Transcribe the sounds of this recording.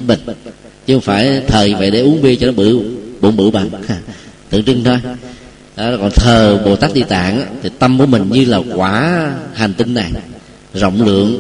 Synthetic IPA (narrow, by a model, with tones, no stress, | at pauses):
mï˨˩ŋ̟t͡ɕɨ˧˦ho˧˦ŋ͡mfaː˧˩jt̪ʰəː˨˩ɲɨ˧və̰˧˨jɗe˧˩ʔu˨˦əŋɓi˧ət͡ɕɔ˧nɔ˨˦ɓɨ̰˧˩ɓṵ˧˩ɓɨ̰˧˩ɓa̰˧˨na˧˩t̪ɨ̰˧˩əŋt͡ɕɨ˧ŋt̪ʰo˧j | ɗɔ˨˦kɔ̰˨˩nt̪ʰəː˨˩ɓo̰˨˩t̪aː˦˥k̚ɗi˧t̪a̰ː˧˨ŋʔaː˨˧˦t̪ʰi˨˩t̪ə˧mku˧˩əmï˨˩ŋ̟ɲɨ˧laː˨˩kwaː˧˩ha˨˩jŋ̟t̪i˧ŋːa˨˩j | zo̰˧˨wŋ͡mlɨ̰˧˨əŋ